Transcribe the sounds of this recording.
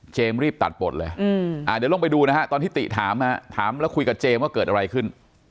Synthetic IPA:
t͡ɕeː˧mɾiː˥˩p̚t̪a̰˨˩t̪̚bo˨˩t̪̚lɤː˧ʔaː˧˩di˨˦lo˧˥˩ŋpa˧jduː˧na˦˥kʰa˦˥t̪ɔː˧nt̪iː˥˩t̪ḭ˨ʔt̪ʰaː˩˦mha˦˥t̪ʰaː˩˦mlɛː˦˥wkʰu˧jka˨˩p̚t͡ɕeː˧mwaː˥˩kɤː˨˩t̪̚ʔa˧ɾa˧jkʰɯ˥˩n

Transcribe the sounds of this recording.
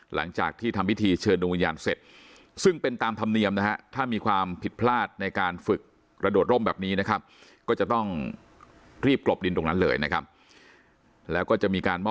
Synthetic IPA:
lʔa̰˩˦ŋt͡ɕa̰ː˨˩k̚t̪ʰiː˥˩t̪ʰa˧mwʰi˦˥t̪ʰiː˧t͡ɕʰɤː˧ndu˧wi˧nja̰ː˧nse˨˩t̪̚ | sɯ˥˩ŋpe˧nt̪aː˧mt̪ʰa˧mni˧əmna˦˥ha˦˥t̪ʰaː˥˩miː˧kʰwaː˧mpʰi˨˩t̪̚pʰlaː˥˩t̪̚na˧jkaː˧nfɯ˨˩k̚ | ɾa˧du˨˩t̪̚ɾo˥˩mbɛː˨˩p̚niː˦˥na˦˥kʰa˦˥p̚kɔː˥˩t͡ɕa˨˩t̪ɔ˥˩ŋ | ɾiː˥˩p̚klo˨˩p̚di˧ntɾo˧ŋna˦˥nlɤː˧jna˦˥kʰa˦˥p̚ | lɛː˦˥wkɔː˥˩t͡ɕa˨˩miː˧kaː˧nmɔː˥˩

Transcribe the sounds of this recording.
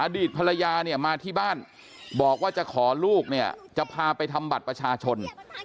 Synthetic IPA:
ʔaː˧diː˨˩t̪̚pʰa˧la˧jaː˧ni˥˩ɐmaː˧t̪ʰiː˥˩baː˥˩n | bɔː˨˩k̚waː˥˩t͡ɕa˨˩kʰɔː˩˦luː˥˩k̚ni˥˩ɐt͡ɕa˨˩pʰaː˧pa˧jt̪ʰa˧mba˨˩t̪̚pɾa˧t͡ɕʰaː˧t͡ɕʰo˧n

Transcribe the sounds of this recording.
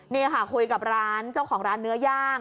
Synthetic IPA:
niː˥˩kʰa˥˩kʰu˧jka˨˩p̚ɾaː˦˥nt͡ɕa˥˩wkʰɔː˩˦ŋɾaː˦˥nːɯ˦˥ɐjaː˥˩ŋ

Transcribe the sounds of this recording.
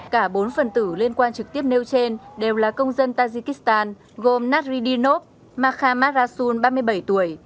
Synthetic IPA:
kaː˧˩ɓo˨˦nfə˨˩nt̪ɨ˧˩li˧ənkwaː˧nt͡ɕɨ˨˩k̚t̪i˦˥əp̚ne˧wt͡ɕe˧nɗe˨˩wlaː˨˩kə˧wŋ͡mzə˧nt̪aː˧zi˧ki˦˥st̪aː˧n | ɣo˨˩mna˦˥t̚zi˧ɗi˧no˦˥p̚ | maː˧xaː˧maː˦˥aː˧su˧nɓaː˧mɨ˧əjɓə˧˩jt̪u˧˩əj

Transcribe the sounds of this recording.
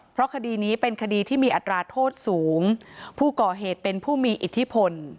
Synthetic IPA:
pʰɾɔ˦˥kʰa˧diː˧niː˦˥pe˧nkʰa˧diː˧t̪ʰiː˥˩miː˧ʔa˨˩t̪ːɾaː˧t̪ʰoː˥˩t̪̚suː˩˦ŋpʰuː˥˩kɔː˨˩ɦeː˨˩t̪̚pe˧npʰuː˥˩miː˧ʔi˨˩t̪ʰːi˦˥pʰo˧n

